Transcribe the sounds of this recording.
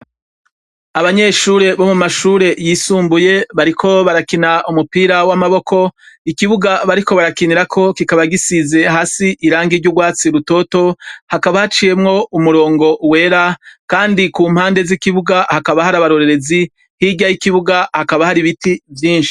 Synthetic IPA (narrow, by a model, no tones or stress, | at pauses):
aβaɲe̞ʃuːɾe̞βo̞mumaʃuːɾe̞jiːsuːmbuje̞βaɾikʰo̞βaɾakinaʔumupiːɾawamaβo̞kʰo̞ikiβuɡaβaɾiko̞βaɾakiniɾakʰo̞kikaβaɡisize̞ɦaːsiʔiɾaːŋɡiɾɟuɡwaːt͡siɾuto̞to̞hakaβahat͡ʃije̞mŋo̞umuɾo̞ːŋɡo̞we̞ːɾakaːndikuːm̥haːnde̞zikiβuɡahakaβahaɾaβaɾo̞ɾe̞ɾe̞zi | hiɡɟajikiβuɡahakaβahaɾiβitivjiːnʃi̥i̥